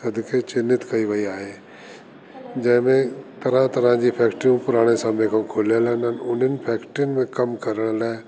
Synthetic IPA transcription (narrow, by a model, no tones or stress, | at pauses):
sɐd̪kʰet͡ʃɪnːɪt̪kɐiʋəiaːɦe | d͡ʒə̃ːmẽt̪ɐɾãt̪ɐɾãd͡ʒipʰɛːkʈɾɪũpʊɾaːɽ̃esãbeːkʰə̃kʰoːlalɛnənʊnənɪpʰɛːkʈɾɪnmẽkɐmkɐɾəɽ̃lɛː